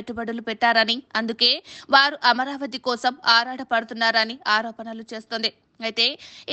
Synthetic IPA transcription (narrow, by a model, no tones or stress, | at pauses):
eʈːubɐɽɐlupɛʈːaːɾɐniɐnd̪uke̞ːʋaːɾuʔɐmɐɾaːʋɐt̪ikɔːsɐmaːɾaːʈɐpɐɽut̪unːaːɾɐniaːɾɔːpɐnɐlut͡ʃe̞ːst̪oːnd̪i | ɐjt̪e̞ː